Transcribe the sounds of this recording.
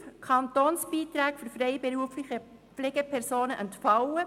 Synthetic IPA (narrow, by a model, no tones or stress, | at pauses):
kʰɑnt̪oːnsb̥iːt̪ɾæːkfyɾfɾɛɪbeɛɾuəflɪxə | pfleːɡəpʰɛɾsoːnəʔɛntfɑwə